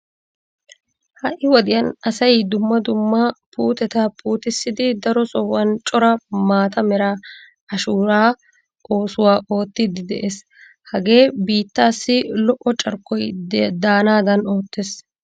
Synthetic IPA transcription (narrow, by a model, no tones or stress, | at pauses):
hɐʔɪwɔd̪ɪjɐnɐsɐjd̪ʊmːɐd̪ʊmːɐpʰuːt̪ɛt̪apʰuːt̪ɪsːɪd̪ɪd̪ɐɾɔsɔwɐnt͡ʃʼɔɾɐmaːt̪ɐmɛɾaː | ɐʃuːɾaː | ʔo̞ːsʊwaːʔo̞ːt̪ːɪd̪ɪd̪ɛʔeːs | hɐɡe̞ːbiːt̪ːaːsːɪlɔʔːɔt͡ʃʼɐɾkʼːɔjd̪aːnaːd̪ɐno̞ːt̪ːes